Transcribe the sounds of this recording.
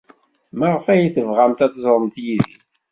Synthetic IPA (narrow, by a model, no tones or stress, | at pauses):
maʁfæjiθəvʁamt̪æt͡s̪ːzˤɾˤəmt̪jiðḭ